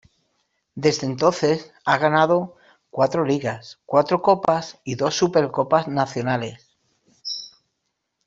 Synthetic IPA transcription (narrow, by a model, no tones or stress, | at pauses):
d̪e̞zðe̞nt̪o̞nθe̞s | aɣ̞anað̞o̞ | kwat̪ɾoliɣaskwat̪ɾoko̞pasiðo̞supe̞ɾko̞paznaθjo̞nale̞s